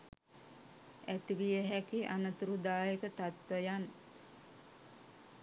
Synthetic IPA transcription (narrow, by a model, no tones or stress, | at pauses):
æt̪iʋijəɦækiʔanət̪uɾud̪aːjekət̪at̪ʋəjan